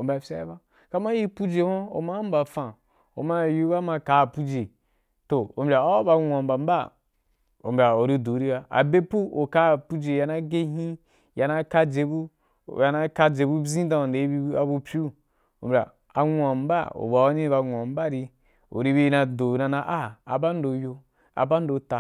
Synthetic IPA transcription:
o˨m̩bʲa˨fʲa˦ba˦ | ka˦mã˦ji˦pu˦d͡ʒe˨hõ˦o̰˨ma˦m̩˦ba˨fã˨ | o̰˨ma˦˨ju˦ba˦ma˧ka˨˦˨pu˦d͡ʒe˨ | to˨o˨m̩bʲa˨o˦wo˦ba˧nʷ˨ã˨m˨ba˨m̩˦ba˦ | o̰˨m̩˨bʲa˨o˨ɾi˦do˨˦ɾi˦ba˦a̰˨be˦pu˦o˨ka˦˨pu˦d͡ʒe˨ja˧na˦ɡe˦ɦĩ˦ | ja˧na˦ka˦d͡ʒe˧bu˦˨ | ja˧na˦ka˦d͡ʒe˨bu˦bzĩ˦dã˧˨nde˨˦i˦bi˧˦a˨bu˧pʲu˦ | o̰˨m̩bʲa̰˨ | a˨ã˨m̩˦ba̰˦˨o̰˨ba˨o˦nĩ˦ba˧ŋʷ˨ã˨m̩˦ba˦ɾi˧ | o̰˨ɾi˧bi˧˦na˧do˨nã˧nã˦ʔa˦a̰˨ba˦n˦do˧jo˧ | a̰˨ba˦n˦do˧ta˨

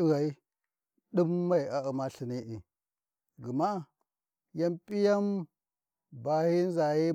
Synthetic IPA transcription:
ɣa˨i˦ | ɗu˦mːa˦˨i˨a˨u˨ma˦ɬi˨ni˦ʔi˨ | ɡi˨ma˦˨ | ja˦mpʼi˦ja˦m | ba˨hi˦n˦za˨ji˦

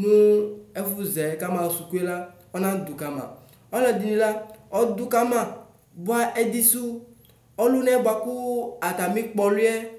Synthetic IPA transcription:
nũ˦ɛ˦fu˦zɛ˨˦ka˦mã˨su˨ku˦e˦la˦ | ɔ˦nã˦d̪u˨ka˨mã̰˨ | ɔ˦lɛ˨di˨nĩ˦la˦ɔ˦d̪u˦ka˦mã˨ | bʊ˦a˦ʔɛ˦d̪i˦su˦ | ɔ˦lu˦nɛ˦bʊ˦a˨kʊ˦a˨t̪a˨mĩ˦k͡pɔ˨lu˦ɛ˦

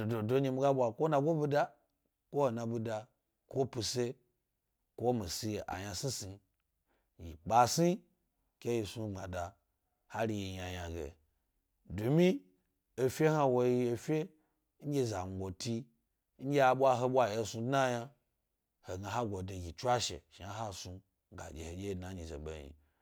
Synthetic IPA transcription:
o˨do˨do˦ɲe˧mi˦ɡa˦ɓʷa˨kʷo˦na˧ɡʷo˦bu˦da˦ | kʷo˦ho˨na˨bu˧da˨ | kʷo˦pu˧se˦ | kʷo˦mi˨si˧˨ʔa̰˨ja˨si˦si˨ | jḭ˨k͡pa˨si˦ | ke˦ji˨su˧˦ŋ͡ma̰˨da˨ | ha˦ɾi˨˧ji˨ja˨ja˨ɡḛ˨ | du˨mi˦ | e˨fʲe˦ha˦wo˧ji˧e˨˧fʲe˦ | ɲ̩˦ɡʲe˦˨za˨n˨ɡʷo˨ti˧ | ŋ̩˦ɡʲe˦a˨ɓʷwa˦ɦo˦ɓʷa˦je˦˧˦su˧dna˦ja˧ | ho˨ɡa˨ɦa˦ɡʷo˨de˨ɡʲi˨t͡ʃʷa˦ʃḛ˨ʃi˨a˦ɦa˦su˧ | ɡa̰˨d͡ʒʲḛ˨ho˨d͡ʒʲe˦i˨dna˨˦ɲi˨zḛ˨ɓḛ˨ɲḭ˨

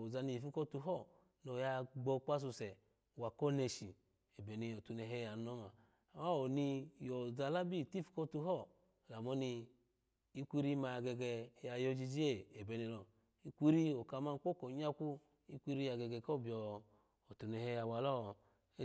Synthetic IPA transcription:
o˨za˧ni˧˨fu˦kɔ˦tu˧˦ɦɔ˦˨ | no˨ja˧ɡ͡bɔ˧k͡pa˧s̬u˧sɛ˨ | wa˨kɔ˦ne˧ʃi˨ | e˨be˨ni˧ɔ˨tu˧nɛ˧˨ɦɛ˦ja˨nɔ˦ma˨ | ma˦o˨ni˧jɔ˨za˧la˦bi˦˨ti˦fu̥˦kɔ˦tu˧˦ɦɔ˦˨ | la˨mɔ˨˦ni˧ | i˦kʷi˦ɾi˦ma˧˨ɡɛ˧ɡɛ˧˨ja˨jɔ˧d͡ʒi˧d͡ʒi˦e˦˨e˨be˨ni˧lɔ˨ | i˧kʷi˦ɾi˦o˨ka˧ma˧n˦k͡po˦ko˨ɲa˦kʷu˦ | i˦kʷi˦ɾi˦ja˨ɡɛ˧ɡɛ˨kɔ˦˨bi˨ɔː˨˧˨ | tu˨nɛ˨hɛ˧˦ja˨˧wa˨lɔ˦˨˦

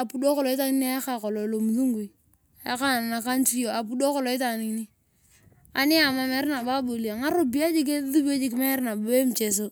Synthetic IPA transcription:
a˨pu˨˦do˦kɔ˨lɔ˨ɪ˦ta˦ŋi˦ni˦a˦ka˨kɔ˨lo˨lo˨mu˨ðu˦ŋɡu˨i˨ | a˦ka˦na˨na˨ka˦n˦ti˦o˨a˨pu˦do˦kɔ˦lɔ˨ɪ˦ta˨ni˨˦ni˦ | a̰˨nɪ˦a˨ma˦mɛ˨˦ɾna˨ba˦bo˨li˨a˨ŋa˦ɾo˦bi˦a˦d͡ʒi˦k̬e˦ðu˦ba˦d͡ʒi˦k̬ɪ˦mɛ˦ɾna˨be˦m̩˨t͡ʃe˨s̬o˦

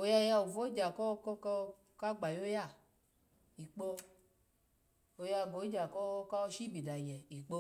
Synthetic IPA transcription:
o˧˨ja˧ja˧o˨vo˦d͡ʒa˨kɔ˦kɔ˦k | ka˦ɡ͡ba˨jo˦ja˦˨ | i˨k͡po˧ | o˧˨ja˧˨ɡo˨˦d͡ʒa˨kɔ˦ka˦ɔ˧ʃi˦bi˨da˨jɛ˨i˨k͡po˧

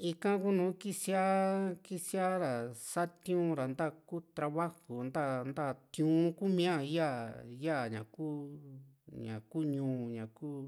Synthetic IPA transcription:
i˧kã˦ku˦nũː˨˦ki˦si˦a˦ki˦si˦a˦ɾa˨sa˦t̪j̃ũ˦ɾa˨nd̪a˦˧ku˦t̪ɾa˧βa˦hu˨nd̪a˦nd̪a˦˨t̪jũ˦ku˦mĩ˦ã˦˧˨ja˦ja˦˨ɲã̰˨kuː˦ | ɲã̰˨kuː˦ɲũː˨˧˨ɲã˨kuː˦

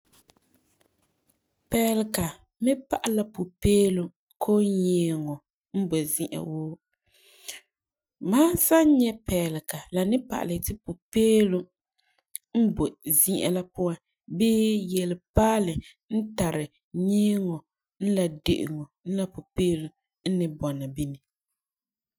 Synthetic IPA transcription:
pɛ˨lɪ˨ka˨ | mɪ˦pa˨ʔa˨˦la˨pu˨peː˦lo˨ | kʰoː˦ɲeː˨˦ŋo˨ | m̩˦bo˨zi˦ʔa̰˨woː˦ | maː˦sa˦ɲɛ˦pɛ˨lɪ˨ka˨la˨nɪ˦pa̰˨ʔa̰˨lɪ˨tɪ˦pu˨peː˦lu˦ | m̩˦bo˨zi˦ʔa̰˦la˦pʊ˦wa˦ | beː˦jɛ˨lɪ˨paː˦lɨ˨ | n̩˦ta˨ɾɪ˨ | ɲeː˦ŋo˨ | n̩˦la˨dḛ˨ʔɪ̰˨ŋo˨n̩˦la˨pu˨peː˦lu˨ | n̩˦nɨ˨bɔ˨na˨bi˦ni˨

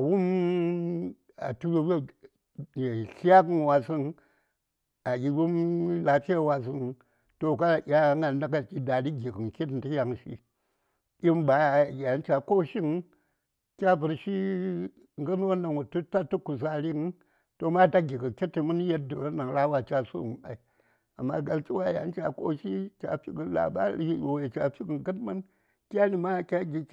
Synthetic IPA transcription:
a˨wu˦m | a̰˨tu˦wo˦w | je˨ɬa˦kɨ˦n˨wa˨si˦n | a˨ɡʲi˨wu˦mla˨fi˦a˦˨wa˨s̬ɨ˦n | to˨ka˦˨ʔʲa˦ŋa˨n˦da˦ka˦˨ki˦da˨li˦ɡʲi˨kə˨ŋkʲi˦t̬n˨ti˦ja˨ŋʃḭ˦ | i˦mba˨˦˨ja˨˦n˦t͡ʃa˨ko˦˨ʃi˦ŋ | kʲa˦bu˨ɾʃi˦ | ŋɡɨ˦n˦wo˦na˨ŋwu˨tu˦ta˦tːu˦ku˨s̬a˦ɾi˦ŋ˦ | to˨ma˦ta˦ɡʲi˨ɡɨ˨kʲe˦tːi˨mu˦n˦je˦t̚du˨wo˦na˨ŋɾa˦wa˨t͡ʃa˦sṵ˦˨ŋ˨ɓa̰˨i˨ | a˨mːa̰˦ɡa˨lki˦wa˦ja̰˨˦n˦t͡ʃa̰˨ko̰˦ʃi˦t͡ʃʲa̰˨fḭ˦ɡə˨˦la̰˨ba̰˦li˦˨jo˨we˨t͡ʃa̰˨fi˦ɡɨ˨ŋɡə˦tmɨ˦n | kʲa˦ni˨ma˦˨kʲa˦ɡʲi˦

